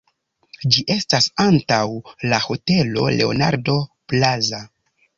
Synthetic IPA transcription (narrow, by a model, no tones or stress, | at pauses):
d͡ʒiʔe̞stasantawlaho̞te̞lo̞̰le̞o̞̰na̰ɾdo̞plaza